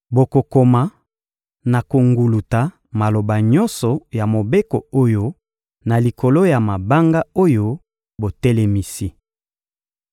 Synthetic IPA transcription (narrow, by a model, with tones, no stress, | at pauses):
bo˨ko˨ko˨ma˨ | na˨ko˨ŋɡu˨lu˨ta˨ | ma˨lo˨ba˨ɲɔ˦nsɔ˨ja˨mo˨be˦ko˨o˦jo˦ | na˨li˨ko˨lo˦ja˨ma˨ba˦ŋɡa˦o˦jo˦ | bo˨tɛ˦lɛ˨mi˨si˦